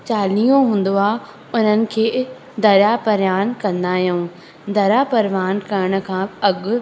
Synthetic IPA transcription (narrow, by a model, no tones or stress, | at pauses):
t͡ɕaːlijõɦũːn̆d̪oaː | ʊn̤ənɪ̆kʰeː | d̪ɐɾjapɐɾjaːnkɐ̃nd̪aːɦijũː | d̪ɐɾapɐɾʋaːnkɐɾɪɽ̃ʊ̆kʰãːɐɠʊ